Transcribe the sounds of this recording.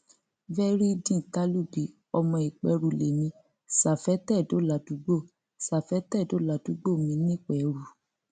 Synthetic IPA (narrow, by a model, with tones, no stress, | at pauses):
vɛ˦ɾi˦dĩ˦˨ta˦lu˦˨bi˨˦ | ɔ˧mɔ̃˧i˨k͡pɛ˧˦ɾu˨le˨mĩ˧˦ | sa˨fɛ˨˦tɛ˦˨do˨˦la˨˦du˨˦ɡ͡bo˦˨ | sa˨fɛ˨˦tɛ˦˨do˨˦la˨˦du˨˦ɡ͡bo˦˨mĩ˧˦nĩ˦k͡pɛ˨ɾu˨